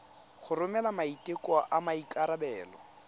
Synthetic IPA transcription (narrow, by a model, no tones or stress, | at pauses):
χʊrʊmɛlamaitʼekʼwɔʔamaikʼaɾabɛːlɔ